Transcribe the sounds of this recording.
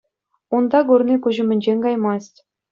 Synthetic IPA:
und̪ɑɡurnʲikuʑɘ̆mʲɘ̆nʲd͡ʑenʲkɑjmɑstʲ

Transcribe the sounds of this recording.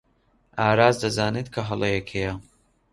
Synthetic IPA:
ʔaːɾaːzd̪ɐzaːnet̪kʰɐɦɐlˠɐjɛkʰejɐ

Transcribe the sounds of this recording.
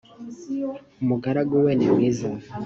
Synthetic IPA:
umuɡaɾaɡuweːnemwiːza

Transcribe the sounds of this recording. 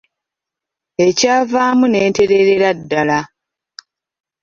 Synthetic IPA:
e̞caːvaːmune̞ːnte̞ɾe̞ɾeɾadːala

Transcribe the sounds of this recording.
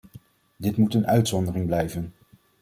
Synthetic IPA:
dɪtmutənœɥtsɔndərɪŋblɛjvən

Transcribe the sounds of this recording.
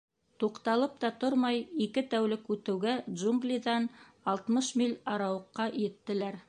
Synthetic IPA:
t̪uqt̪ɑlˠɤp̚t̪ɑt̪oɾmɑjikɘt̪æwlɘkʉt̪ɘ̆wɡæd̪ʒuŋɡlʲiðɑn | ɑlˠt̪mɤʃmilʲɑɾɑwɤ̆qːɑjɘ̆t̪ːɘ̆læɾ

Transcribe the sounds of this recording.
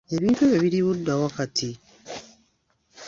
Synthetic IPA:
eβiːnteβeβiɾiβudːawakatʰi

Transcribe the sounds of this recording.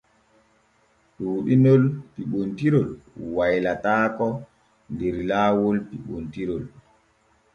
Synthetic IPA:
ɗuːɗinɔlpiɓontiɾɔlwajlataːkɔ | ndeɾlaːwolpiɓontiɾɔl

